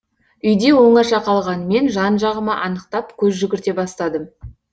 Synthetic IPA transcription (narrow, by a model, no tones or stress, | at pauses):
ʏjd̪e̞wo̞ɴɑʃɑqʰɑlˠʁɑnəme̞nʒɑnʒɑʁəmɑʔɑnəq̚t̪ɑpkʲʰɵzʒʏɡʲɪɾt̪e̞bɑst̪ɑd̪əm